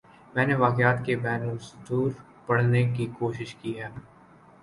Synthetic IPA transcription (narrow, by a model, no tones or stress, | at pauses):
mɛ̃ːneʋaːkɪaːt̪kebɛːnusʊd̪uːɾ | pɐɽ̤nekikoːʃɪʃkiɦɛː